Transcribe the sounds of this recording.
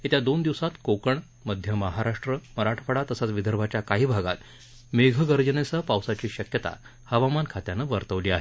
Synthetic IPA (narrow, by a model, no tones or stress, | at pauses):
it̪jad̪ond̪iʋsat̪kokəɳ | məd̪ʱjəməɦaɾaʂʈɾəməɾaʈʰfəɽat̪əsat͡sʋid̪ʱəɾbʱat͡ɕjakaɦiːbʱaɡa̰t̪ | meɡʱəɡəɾd͡ʑənesapawsat͡ɕiːɕəkjət̪a̰ | həʋamankʰat̪janəʋəɾt̪əʋliːa̰ɦe